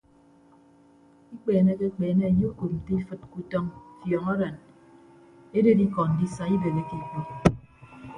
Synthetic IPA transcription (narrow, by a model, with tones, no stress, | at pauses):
i˦k͡peː˨ne˦ke˦k͡peː˨ne˦e˨jo˦ko˨m̩˨te˦i˦fɨ˨t̚ku˨tɔ˦ŋfjɔ˨ŋɔ˦ɾe˨n | e˦de˦di˦kɔ˨n̩˨di˦sa˨i˦be˨ɣe˦ki˨k͡pi˦